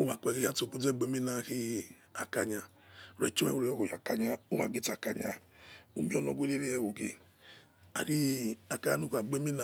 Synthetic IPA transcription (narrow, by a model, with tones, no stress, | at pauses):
o˦ma˨k͡pɛ˨ɡe˦a˦to˨bu˦ɛ˦˨ɡ͡be˦mi˦na˦hi˦ | a̰˨ka˨ɲa˧˨ | ɾɛ̰˨˦t͡ʃi˦ɛ̰˦wo˦ɾɔ˦˨ho˨ja˨ka˨ɲa˧o˦ma̰˨ɡe˦ta˨ka˨ɲa̰˨ | o̰˦mi˦ɔ˦˨nɔ˨ɡʷe˦le˦ɾe˦ɛ˨wo˨ɡḛ˨ | a̰˨ɾi˦a˨ka˨˦a˨nu˦ka˨ɡ͡be˦mi˦na˧